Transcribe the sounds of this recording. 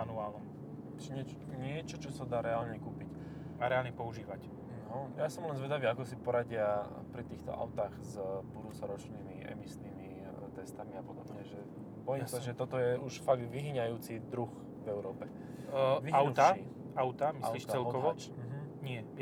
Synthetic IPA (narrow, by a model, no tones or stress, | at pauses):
anuaːlnɔm | t͡ʃɛɲɛt͡ʃ | ɲɪɛt͡ʃɔt͡ʃɔsad̪aːɾɛaːlɲɛkuːpic | aɾɛaːlɲɛpɔuʒiːʋac | ɦɔjasɔmlɛnzʋɛd̪aʋiːakɔsipɔɾaɟɪa | pɾit̪iːxt̪ɔ̰ʔa̰wt̪aːɣzbud̪uːt͡sɔɾɔt͡ʃniːmiʔɛ̰misniːmi | t̪ɛst̪amiapɔd̪ɔbɲɛʒɛ | bɔjimsaʒɛt̪ɔt̪ɔjɛuʃfaɡd̪ʋiɦiɲajuːt͡sid̪ɾux | vɛʊɾɔːpɛ | ʋiawt̪ai | aʊt̪amisaliːʃɛlkɔʋɔ | ɦ̩ɲɪɛ